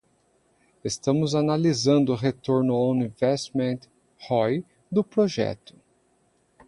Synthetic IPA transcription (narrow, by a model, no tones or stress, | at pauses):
est̪ɐ̃mʊzanalizɐ̃nd̪ʊʊɦet̪oɾnʊõw̃nĩvɛst̪mẽnt̪ | hɔj | d̪ʊpɾoʒɛ̰t̪ʊ̥